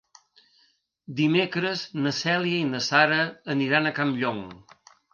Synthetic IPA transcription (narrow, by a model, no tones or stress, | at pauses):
d̪imekɾəznəsɛliəinəsaɾəːniɾanəkamʎɔŋ